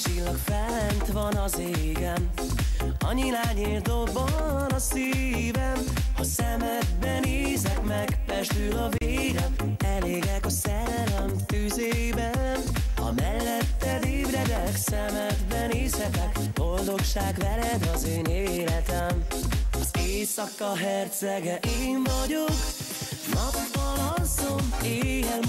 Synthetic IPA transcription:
t͡ʃilːɒkfɛlːɛnt̪ʋɒnɒzeːɡɛm | ɒɲilaːɲeːrd̪obɒ | nɒsiː | vɛn | hɒsɛmɛd̪bɛneːzɛkmɛɡpɛʃt̪ylɒveːɾɛm | ɛleːɡɛkɒsɛ | lɛmt̪yzeːbɛn | ɒ̰mɛlːɛt̪ːɛd̪ibɾɛd̪ɛksɛmɛd̪bɛneːshɛt̪ɛkbo̞ld̪o̞kʃaːɡvɛlɛd̪ɒzeːneːlɛt̪ɛmɒzeːsɒkːɒɦɛrt̪sɛɡɛʔeːɱvɒɟo̞k | nɒpːɒnɒzoneːjɛl

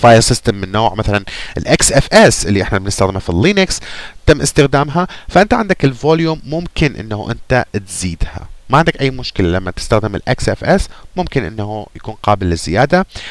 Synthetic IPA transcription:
faːjsˤɪst̪amːɪnːoːʕmaθalanʔɪlʔaksʔɛfʔɛsʔɪlːiʔɪħnabnɪst̪axd̪ɪmafilːiːnɪkst̪amːʔɪst̪ɪxd̪aːmɦafaʔɪnt̪aʕɪnd̪akɪlvoːljuːmːʊmkɪnʔɪ̰nːahṵʔɪ̰nt̪at̪ziːd̪ha̰maʕɪnd̪akʔajːmʊʃkɪlalamːat̪ɪ̥st̪axd̪ɪmɪ̰lʔa̰ksʔɛfʔɛsmʊmkɪnʔɪ̰nːahujakuːnqɑːbɪlːɪzːɪ̰jaːd̪a

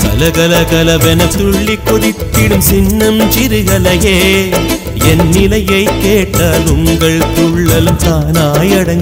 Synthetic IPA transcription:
kɐ̰lɐɣɐlɐɣɐlɐʋɛnɐk̚t̪ʊɭːikːɔðɪp̪ːɪɽɯmsɪnːɐmt͡ʃɪɾɯɣɐlɐjeː | ɛnːɪlɐjɐɪkːeːʈːaːlʊŋɡɐɭt̪ʊɭːɐlɯmt̪aːnaːjɐɽɐŋɡ

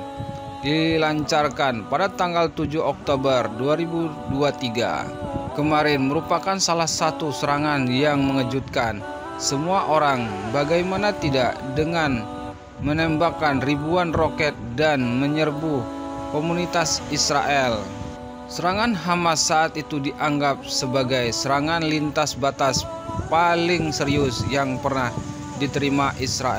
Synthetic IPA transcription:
dilaɲt͡ʃarkanpadat̪aŋɡalt̪ud͡ʒuɦɔk̚t̪obərduaɾibu | duat̪iɡa̰ | kəmaɾɛnməɾupakansalahsat̪usəɾaŋanjaŋməŋəd͡ʒut̪̚kan | səmuaʔoɾaŋbaɡajmanat̪idaʔdəŋan | mənɛmbakanribuanrokɛt̪̚danməɲərbuhkomunit̪asisɾa̰ʔɛl | səɾaŋanɦamasaːt̪it̪udiʔaŋɡap̚səbaɡajsəɾaŋanlint̪asbat̪as | palɪŋsəɾiʊsjaŋpərnah | dit̪əɾimaʔisɾaɛ

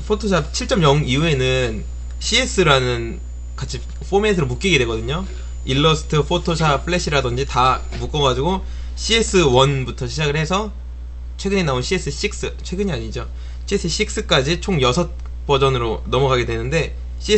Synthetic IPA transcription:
pʰotʰosʰat͡ɕʰiɭt͡ɕ͈ʌmjʌŋiue̞nɯn | ɕʰies͈ɯɾanɯn | kat͡ɕʰi | ɸʰomentʰɯɾomuk͈iɡe̞dwe̞ɡʌdɯɲo | iɭːʌsʰɯ̥tʰɯpʰotʰosʰapʰɯɭeɕ͈ʰiɾadʌnd͡ʑita | muk͈ʌɡad͡ʑiɡo | ɕ͈ʰies͈ɯwʌnbutʰʌɕʰid͡ʑaɡɯɭhe̞sʰʌ | t͡ɕʰwe̞ɡɯɲinaonɕʰies͈ɯɕ͈ʰik̚s͈ɯt͡ɕʰwe̞ɡɯɲiaɲid͡ʑo | ɕʰies͈ʰɯɕ͈ʰik̚s͈ɯk͈ad͡ʑit͡ɕʰoŋjʌsʰʌt̚ | p͈ʌd͡ʑʌnɯɾonʌmʌɡaɡe̞dwe̞nɯnde̞ | ɕ͈ʰie

